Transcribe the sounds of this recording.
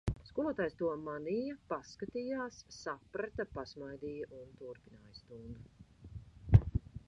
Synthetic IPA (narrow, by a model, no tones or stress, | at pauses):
skuɔlˠuɔt̪aːjst̪uɔmanijapaskat̪ijaːsːapɾat̪apasmajd̪iːjaʔunt̪uɾpinaːjst̪uŋɡɐ